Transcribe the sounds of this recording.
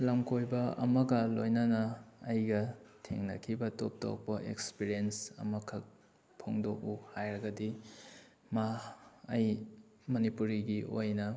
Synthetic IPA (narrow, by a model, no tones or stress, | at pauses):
lamkʰojbɐɐmɐɡɐlojnɐnɐːjɡɐtʰḛŋnɐ̰kʰibɐtop̚to̰k̚pɐʔḛkspiɾiensɐ̰mɐkʰɐk̚ | pʰoŋdoʔuhajɾɐɡɐdi | maː | j | mɐnipuɾiɡiʔojnɐ